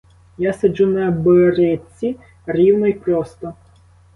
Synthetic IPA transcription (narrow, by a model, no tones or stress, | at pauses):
jasɐd͡ʒunɐbɔɾɪt͡sʲi | rʲiwnɔjpɾɔst̪ɔ